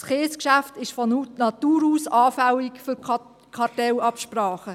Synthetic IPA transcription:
sχeːskʃæftɪʃfɔnunɑt̪uːɾuːsɑːfæwikfʏɾ | kʰɑtɛlɑpʃprɑːχə

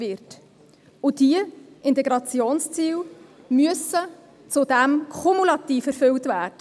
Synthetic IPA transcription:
ɪɾt | ʊd̥iə | ɪnt̪ɛɡɾɑt͡sjoːnst͡siːw | myəsə | t͡sʊd̥ɛmkʰʊmulɑt̪iːfɛɾfʏltvæːd̥ə

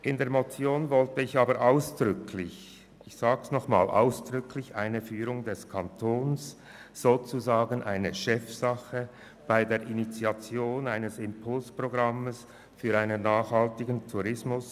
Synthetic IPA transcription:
ʔɪndeːɐmot͡sjoːnvɔltəɪçaːbəɾʔaʊsd̥ʁʏkʰlɪç | ɪçsaːɡsnɔχma̰ːlʔa̰ʊsd̥ʁʏkʰlɪçaɪnəfyːɾʊŋdɛskʰantʰoːns | z̥oːt͡suzaːɡənʔa̰ɪnəʃɛfsɑχə | b̥aɪdeːɐɾʔinit͡siat͡sjoːnaɪnəsɪmpʰʊlspʁ̥oɡʁɑməs | fyːʁaɪnənːaːχhɑltɪɡəntʰuʁɪsmʊs

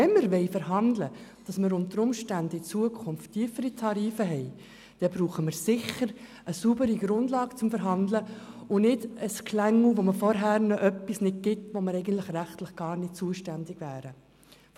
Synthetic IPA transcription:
ɛnməɾʋɛɪfəɾɦɑnd̪ləd̥ɑsməɾʊntəɾʊmʃtændəɪt͡suəkʰʊnftʰːiːfəɾitʰɑɾiːfəɦɛɪ | d̥ɛb̥ɾuːχəməɾsɪχːəɾ | əsuːbəɾiɡ̥ɾʊnd̥lɑːɡ̥t͡sʊmfəɾɦɑndləʊnɪdəskʰlæŋːl̩ʋoməfɔɾɦæːɾnɔʔœpːisnɪd̚ɡɪtʋoməɾɛɪɡən̩tlɪχɾæχtləχɡ̥ɑːɾnɪt̚t͡suəʃtændɪɡ̥væːɾə

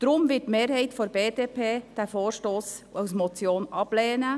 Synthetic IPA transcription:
d̥ɾʊmvɪtːmeːɾhɛjtfoɾbeːdeːpʰeːd̥æfoːɾʃtoːsawsmɔt͡sjoːnʔɑb̥lɛːnə

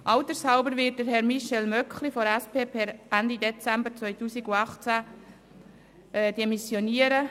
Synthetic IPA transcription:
ʔɑʊt̪əɾshɑʊbəɾʋɪːt̚d̥əɾɦɛɾmiʃɛlmœkχlifɔɾæspeːpʰɛɾʔænd̪id̪ɛt͡sæmbəɾt͡sʋœʏtuːsiɡuɑχt͡sæ | d̪ɛmisjoniəɾə

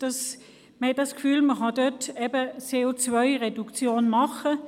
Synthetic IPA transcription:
d̥ɑs | məhɛt̚dɑskfyːlməχɑdøtɛbət͡seot͡svœʏʁedukt͡sjoːnmɑχə

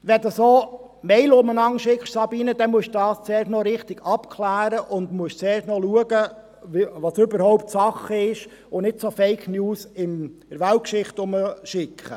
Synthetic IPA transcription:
ʋɛd̪usoː | mɛɪlʊmənɑŋʃɪkχʃsɑbiːnəd̥̪ɛmuəʃd̥ɑːst͡sɛːɾʃnɔɾɪχtɪɡ̥ɑpkʰlæːɾəʔʊnd̪muəʃt͡sɛːɾtnɔluəɡə | ʋɑsøbəɾhɔwptsɑχəɪʃ | ʊnɪtsofeɪkʰnjuːsɪmɪɾʋælt̚kʃɪχtʊməʃɪkʰχə̰

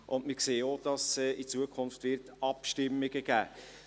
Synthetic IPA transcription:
ʔʊnmɪkseːod̥ɑsɛʔit͡suəkʰʊnftvɪɾtɑpʃtɪmːɪɡəɡ̥æː

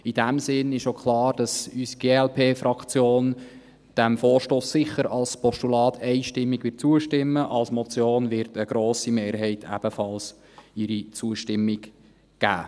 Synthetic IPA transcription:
id̥æmsɪnɪʃokχlɑːɾd̥ɑsysiɡ̥eːɛlpʰeːfɾɑkt͡sjoːn | d̥æmfoːrʃtoːsːɪχəɾɑlspɔʃtulɑːtʰɛɪʃtɪmːiɡʋɪːt̚t͡suəʃtɪmːəʔɑlsmɔt͡sjoːnvɪɾtəɡ̥ɾoːsimeːɾɦɛɪtʰæ̰b̥əfɑls | ɪɾit͡suəʃtɪmːɪɡ | ɡ̥æ̰ː

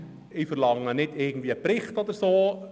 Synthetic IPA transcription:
ɪfərlɑŋːənɪtɪɡ̚n̩tviːəəpɾɪχtɔd̪əɾsoː

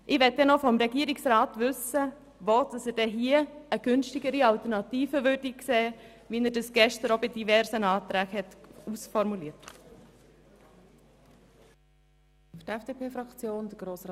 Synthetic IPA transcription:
ʔɪʋɛt̚dɛnɔfɔmɾɛɡiːəɾiksɾaːtʋʏsə | ʋoːd̥ɑsəɾdɛɦiːəəɡ̥ʏnʃtɪɡəɾiɑltəɾnɑtiːfəʋʏːɾdikseːvinəɾdɑsɡ̥ɛʃtəɾobɪdiʋɛɾsənɑːt̪ɾæːɡhɛtusfɔɾmuliːət | ftɛfd̥eːpeːfɾɑkt͡sjoːnd̥əɡ̥ɾoːs

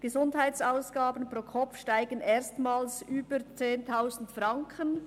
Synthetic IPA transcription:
ɡ̥əzʊndhaɪtsaʊsɡ̥aːbənpʁ̥oːkʰɔpfʃtaɪɡənʔeːʁstmaːlsyːb̥ət͡seːntʰaʊzn̩tfʁɑŋkʰən

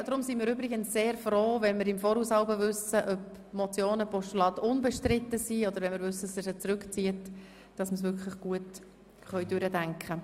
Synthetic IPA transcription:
dɾʊmsimiːɾʏbɾɪɡənsseːɾfroːvɛnmɪɾɪmfɔːɾhuːshɑlbəvʏsəʔœp | mɔt͡sjoːnəpɔʃtulɑːd̪ʊnbɛʃtrɪt̪ːəsiɔd̪əɾʋɛnmɪɾvʏsːəsɪət͡sɾʉkt͡siət | d̥ɑsməsʋʏkχləχɡ̥uət | χœʏjd̥ʏɾədæŋkχə

